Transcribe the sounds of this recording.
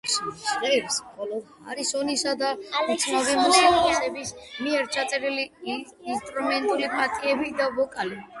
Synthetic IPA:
sisʁɛɾsχɔlɔha̰ɾisɔnisad̪aut̪sʰnavimusikʼasɛbismiɛɾt͡ʃʰat̪sʼɛɾiliː | nst̪ʼɾumɛnt̪ʼulipʼat̪ʼiɛbid̪avɔkʼali

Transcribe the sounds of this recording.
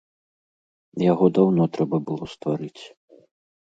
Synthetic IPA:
jaɣɔd̪awnɔt̪ɾɛbɐbɨlˠɔst̪vaɾɨt͡sʲ

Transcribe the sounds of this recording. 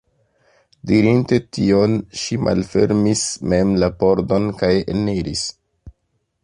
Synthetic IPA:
diɾinte̞tio̞nʃimʔa̰lfe̞̰ɾmisme̞mlapo̞ɾdo̞nkajḛniɾis

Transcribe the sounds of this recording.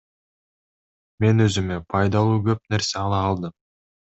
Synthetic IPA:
me̞nø̞zymepʰɑjd̪ɑlˠuːɡøp̚ne̞ɾseɑlˠɑːlˠd̪ɯm

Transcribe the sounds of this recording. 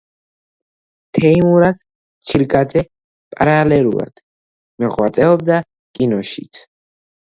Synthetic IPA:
t̪ʰɛimuɾas | t͡ʃʰiɾɡad̪ɛ | pʼaɾalɛlṵla̰d̪̥ | mɛʁwat̪sʼɛɔbd̪a | kʼinɔʃit̪sʰ

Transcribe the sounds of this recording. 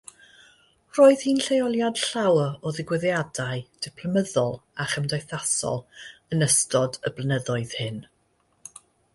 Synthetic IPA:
roːɨð̥hinɬejɔlˠjad̥ɬawɔðɪɡwɪðjadaɨd̥ɪpʰləməðɔlˠaχəmdajθasɔ̰lˠənəstɔdəblˠənəðɔɨð̥hɪn

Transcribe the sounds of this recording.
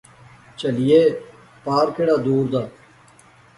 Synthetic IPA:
t͡ʃəlɪjeː | paːɾkʰeːɽaːd̪uːɾd̪aː

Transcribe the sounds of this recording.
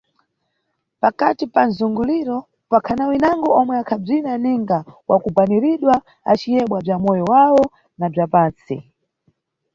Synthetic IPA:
pakatipanzuŋɡuliɾɔ | pakʰanawinaŋɡɔʔɔmwɛakʰab͡ʐinaniŋɡawakubaniɾiɗwa | at͡ʃijɛɓwab͡ʐamɔjɔwawɔ | nab͡ʐapaːnt͡si

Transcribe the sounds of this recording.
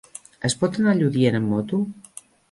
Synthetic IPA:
əspɔt̪ənaʎuðjenəmːɔt̪u

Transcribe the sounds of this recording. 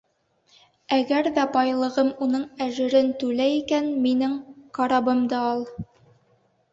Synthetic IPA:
æɡæɾðæbɑjlˠɤ̆ʁɤmunɤɴæʒɘ̆ɾɘnt̪ʉlæjikænminɘŋqɑɾɑbɤmd̪ɑɑlˠ

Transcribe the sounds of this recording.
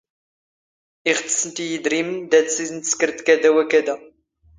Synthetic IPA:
iʁət̪ə̥sənt̪ijəd̪ɾimənd̪æt͡ssizənt̪ə̥skəɾt̪kæd̪æwækæd̪æ

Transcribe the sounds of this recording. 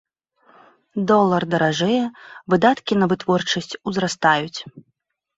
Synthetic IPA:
d̪ɔlˠɐrd̪ɐɾaʐɛjɛvɨd̪at̪kʲinɐvɨt̪vɔrt͡ʂɐsʲt͡sʲuzɾast̪ajut͡sʲ

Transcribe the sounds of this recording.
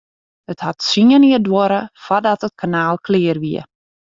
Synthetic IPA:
əthatsiəniədwoɾəfadɔtət̚kʰanaːlˠkʰlɪərʋiə

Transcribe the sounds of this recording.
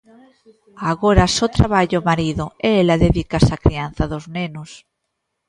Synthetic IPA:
aɣoɾasot̪ɾa̰βaʎomaɾiðʊeelaðeðikasakɾian̟θaðoznenʊs

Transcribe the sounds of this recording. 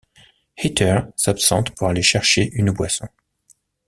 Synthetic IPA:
het̪œʁsapsɑ̃t̪puʁaleʃɛʁʃeʔynbwasɔ̃

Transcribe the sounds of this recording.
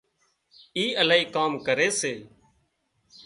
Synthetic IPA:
iːəlaːiːkaːmkəɾeːseː

